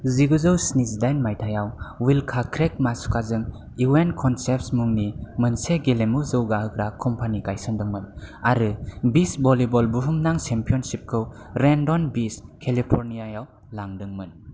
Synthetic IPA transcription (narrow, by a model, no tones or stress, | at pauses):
ziɡuzɯwsnizdajnmajtʰajawwilkʰakʰɾek̚masu̥kazɯŋ | iwenkʰɔnsep̚smuŋnimənseɡelemuzɯwɡaɦɯkɾakʰɔmpʰanikajsɯndɯŋmɯnaɾɯbisbɔlibɔlbuɦumnaŋt͡ʃempʰijɔnsip̚kʰɯwɾendɔnbiskʰelipʰɔɾnijajaw | laŋdɯŋmɯn